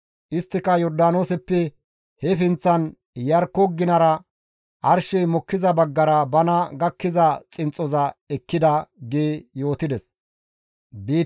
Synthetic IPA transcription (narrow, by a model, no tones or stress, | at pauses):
ʔɪst̪ːɪkɐjɔɾd̪aːno̞ːsɛpːɛ | hɛfɪnt͡sːɐn | jɐɾkːɔɡːɪnɐɾɐ | ʔɐɾʃɛjmɔkːɪzɐbɐɡːɐɾɐbɐnɐɡɐkːɪzɐt͡sʼɪnt͡sʼːɔzɐɛkːɪd̪ɐɡeːjo̞ːt̪ɪd̪ɛs | biː